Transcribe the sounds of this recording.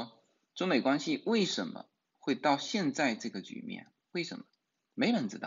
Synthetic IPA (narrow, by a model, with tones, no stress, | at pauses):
ʈ͡ʂʊ˥ŋme˨˩kwa˥nɕi˧˥we˥˩ɪʂə˧˥nmə̰˧ | xwe˥˧ɪt̪ɑ˥˧ʊɕjɛ˥˧nt͡sa˥˧ɪʈ͡ʂɤ˥˩ɡə˩t͡ɕy̰˨˩mjɛ̰˥˩n | we˥˩ɪʂə˧˥nmə˧ | me˧˥ɪpə˧˥nt͡sɹ̩˧d̪ə̰˧˩